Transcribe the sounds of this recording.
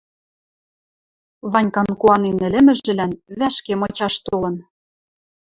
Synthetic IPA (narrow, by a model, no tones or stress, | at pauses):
βɑnʲkɑnkuɑnenɘ̆lɘ̆mɘ̆ʒɘ̆lænβæʃkemɤ̆t͡ɕɑʃt̪olɤ̆n